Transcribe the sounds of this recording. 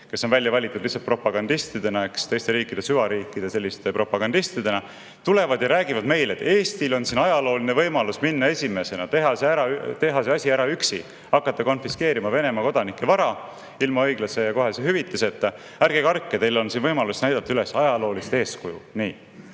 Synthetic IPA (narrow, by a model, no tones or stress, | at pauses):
ke̞sːonvælʲjɑvɑlʲit̪ːˑud̪lisːɑt̪̚propɑɡ̥ɑnd̪ist̪id̪e̞nɑekst̪e̞jst̪e̞ɾiːkːˑid̪̥e̞syvɑɾiːkːˑid̪̥e̞se̞lʲːist̪e̞pro̞pɑɡ̥ɑnd̪̥ist̪id̪̥e̞nɑ | t̪ule̞vɑd̪jɑɾæːɡ̥ivɑd̪me̞jlet̪ːe̞ːsʲt̪ilo̞nsinɑjɑlo̞ːlinevɤjmɑlusminːɑe̞sʲime̞se̞nɑt̪e̞ɦɑseæɾɑt̪e̞ɦɑseɑsʲiæɾɑyksḭ | ɑkːˑɑt̪ːɑko̞nfiske̞ːɾimɑve̞ne̞mɑko̞d̪̥ɑnikːˑe̞vɑɾɑ | ilmɑɤjɡlɑse̞jɑko̞ɦe̞seɦyvit̪ːˑeset̪ːˑ | æɾɡ̥ekɑrkːet̪e̞jlo̞nsinvɤjmɑlusnæjd̪ɑt̪ːɑyle̞sɑjɑlo̞ːlist̪e̞ːskujṵniː